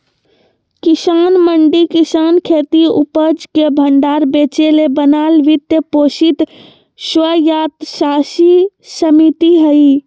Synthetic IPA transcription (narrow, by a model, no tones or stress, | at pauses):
kisanməɳɖikisankʰet̪iupəd͡ʒkebʱəɳɖaɾbet͡ʃelebənalʋit̪jəposit̪ | sʋəjat̪sasi | səmit̪iɦəi